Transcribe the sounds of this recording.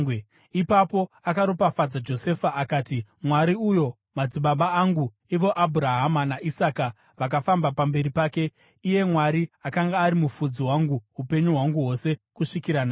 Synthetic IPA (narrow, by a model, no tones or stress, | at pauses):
ipapo̞akaɾopafad͡zad͡ʒo̞se̞faʔakaːtimwaɾiujo̞ | mad͡ziɓaɓaːŋɡu | iʋo̞ʔabʱuɾaɦamanaʔisaka | ʋak̬afambapambe̞ɾipaːke̞ | ije̞mwaɾiakaŋɡaːɾimufud͡ziɦwaŋɡuɦupe̞ɲuɦwaŋɡuɦo̞se̞kuʂikiɾana